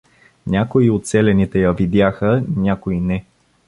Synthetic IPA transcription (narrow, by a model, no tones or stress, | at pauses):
nʲakoiot̪sɛlɛnit̪ɛjɐvid̪jaxənʲakoinɛ